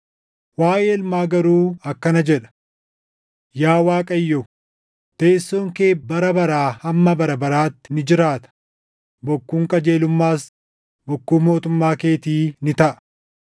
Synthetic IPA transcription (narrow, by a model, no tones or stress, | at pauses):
waːʔeːɪlmaːɡɐɾuːɐkːɐnɐd͡ʒɛᶑɐ̥ | jaːwaːkʼɐjːɔ | t̪eːsːoːŋke̞ːbɐɾɐbɐɾaːhɐmːɐbɐɾɐbɐɾaːt̪ːɪnɪd͡ʒɪɾaːt̪ɐ̥ | bɔkːuːŋkʼɐd͡ʒe̞ːlʊmːaːs | bɔkːuːmo̞ːt̪ʊmːaːke̞ːt̪iːnɪt̪ɐʔɐ̥